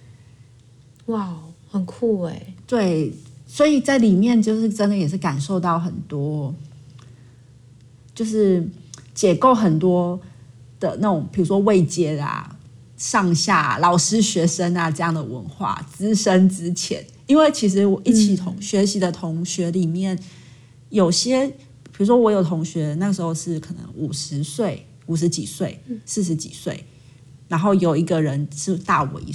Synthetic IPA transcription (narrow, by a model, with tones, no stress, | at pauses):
wa˥˩ʊhə˨˩nkʰu˥˩e˨˩˦ɪt̪we˥˩ɪswɔ˧˥i˨˩t͡sa˥˩ɪli˨˩mjɛ˥˧nt͡ɕjo˥˧ʊʂɻ̩˥˩ʈ͡ʂə˥nd̪ə˨jɛ˨˩ʂɻ̩˥˩ka˨˩nʂo˥˧ʊt̪ɑ˥˩ʊxə˨˩nt̪wɔ˥ | t͡ɕjo˥˧ʊʂɻ̩˥˩t͡ɕjɛ˨˥ko˥˩ʊxə˨˩nt̪wɔ˥ | d̪̥ə˨na˥˩ʈ͡ʂʊ˨˩ŋpʰi˨˩ɻu˧˥ʂwɔ˥we˥˩ɪt͡ɕjɛ˥a̰˨˩ | ʂɑ˥˧ŋɕja̰˥˩lɑ˨˩ʊʂɻ̩˥ɕɥɛ˧˥ʂə˥na˨ʈ͡ʂɤ˥˧jɑ˥˩ŋd̪ə˩wə̰˧˥nxwa̰˥˩t͡sɹ̩˥ʂə˥nt͡sɻ̩˥t͡ɕʰjɛ̰˧˦n | i˥nwe˥˩ɪt͡ɕʰi˧˥ʂ̬ɻ̩˧˥wɔ˨˩ʔi˥˩t͡ɕʰi˨˩t̪ʰʊ˧˥ŋɕɥɛ˧˥ɕi˧˥d̪ə˨t̪ʰʊ˧˥ŋɕɥɛ˧˥li˨˩mjɛ˥˩n | jo˨˩ʊɕjɛ˥ | pʰi˨˩ɻu˧˥ʂ̬wɔ˥wɔ˧˥jo˨˩ʊt̪ʰʊ˧˥ŋɕɥɛ˧˥na˥˩ɡə˩ʂɻ̩˧˥xo˧ʊʂɻ̩˥˩kʰɤ˨˩nɤ̰˧˦ŋʔu˨˩ʂɻ̩˧˦swe˥˩ɪ | u˨˩ʂ̬ɻ̩˧˥t͡ɕi˨˩swe˥˩ɪsɹ̩˥˩ʂ̬ɻ̩˧˥t͡ɕḭ˨˩swe˥˩ɪ | ɻa˧˥nxo˥˩ʊjo˨˩ʊi˧˥ɡə˨ɻə˧˥nʂɻ̩˥˧t̪a˥˩wɛ̰˧˥˦